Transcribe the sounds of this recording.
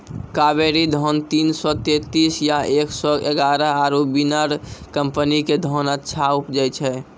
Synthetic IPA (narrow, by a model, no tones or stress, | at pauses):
kabeɾid̪ʱɔnt̪insɔt̪et̪isjaeksɔeɡaɾəaɾobinaɾkəmpəniked̪ʱɔnəːt͡ʃʰʃʰaupd͡ʒət͡ʃʰɛ